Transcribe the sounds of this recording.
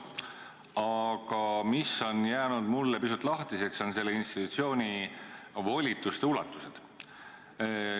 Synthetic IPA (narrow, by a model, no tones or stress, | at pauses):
ɑkɑmiso̞njæːnud̪̥mulːepisut̪ːˑlɑht̪ise̞kso̞nse̞lːeinst̪it̪ːut̪sio̞ːnʲi | vo̞lʲit̪ːˑust̪ulːɑt̪ːˑused̪̥